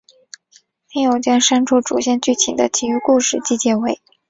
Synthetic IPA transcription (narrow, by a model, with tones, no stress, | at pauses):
mi˥jo˨˩ʊt͡ɕjɑ˥ŋʂa˥nʈ͡ʂʰu˥ʈ͡ʂṵ˨˩ɕjɛ˥˧nt͡ɕy˥˩t̪ʰḭ˨˩d̪ə̰˦t͡ɕʰi˧˥y˥ku˥˧ʂɻ̩˥˩t͡ɕi˥˧t͡ɕjɛ˥˩we˧˩ɪ